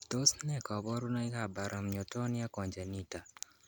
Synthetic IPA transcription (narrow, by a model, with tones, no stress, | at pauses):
t̪o˦snɛ˦kɔ˨bɔ˦ɾu˦nɔ˦i˦ka˨ba˨ɾʔa˨mɲo˨tɔ˦nɪ˦a˦kɔ˨ɲd͡ʒɛ˨ni˦ta˨